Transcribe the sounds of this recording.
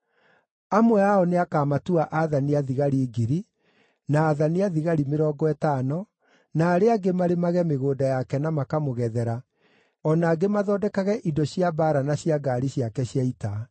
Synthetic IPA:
amwɛaɔneakaːmatuaʔaðaniaðiɣaɾiɡiɾi | naːðaniaðiɣaɾimeɾɔːɡɔɛtaːnɔ | naːɾeaɡemaɾemaɣɛmeɣoːdajakɛnamakamoɣɛðɛɾa | ɔnaːɡemaðɔːdɛkaɣɛʔidɔɕiabaːɾanaɕjaɡaɾiɕiakɛɕjaita

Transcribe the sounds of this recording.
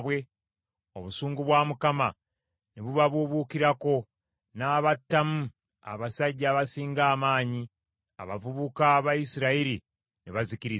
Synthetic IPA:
βwe̞ | o̞βusuːŋɡuβwaːmukama | neβuβaβuβukiɾako̞ | naːβatːamu | a̰βasaɟːaβasiːŋɡaːmaːɲi | a̰βavuβukaːβajisiɾaiɾi | neβaziciɾi

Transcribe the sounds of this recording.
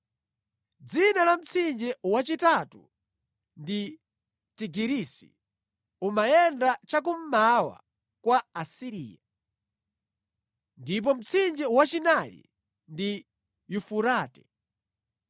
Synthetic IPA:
d͡zinalam̩t͡sʰind͡ʒɛwat͡ʃitatṵ | ndi | tiɡiɾisḭ | umajɛndat͡ʃak̬um̩mawa̰ | kwaːsiɾḭːja | ndip̬ɔm̩t͡sʰind͡ʒɛwat͡ʃinajḭ | ndi | jufuɾaːtɛ

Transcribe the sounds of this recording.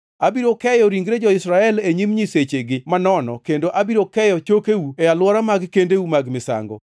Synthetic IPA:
abiɾokɛjɔɾiŋɡɾed͡ʒɔɪsɾaɛleɲimɲiset͡ʃeɡɪmanɔnɔ̰kendoʔabiɾokɛjɔt͡ʃokeuɛjalwɔɾamaɡkendeumaɡmɪsa̰ŋɡɔ̰

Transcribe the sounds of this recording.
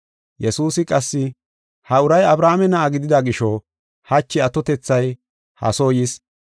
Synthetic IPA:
jɛsuːsɪkʼɐsːɪ | hɐʊɾɐjɐbɾaːmɛnɐːɡɪd̪ɪd̪aɡɪʃɔ | hɐt͡ʃːɪɐt̪ɔt̪ɛt͡sːɐj | hɐ̰soːjɪs

